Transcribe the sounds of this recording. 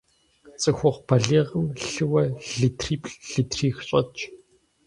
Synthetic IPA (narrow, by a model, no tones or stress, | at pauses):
t͡sʼɨxʷʊʁʷpɐɮeːʁəmɬɨwɐɮitʰriːpɬɮ̥itʰriːxɕʼɐ̰t͡ʃʼ